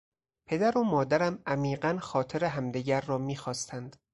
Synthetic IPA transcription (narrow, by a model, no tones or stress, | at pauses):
pʰe̞d̪æɾomɒːd̪æɾæmʔæmiːɢænxɒːt̪ʰe̞ɾeɦæmd̪iɟæɾːɒːmiːxɒːst̪ʰænd̪̥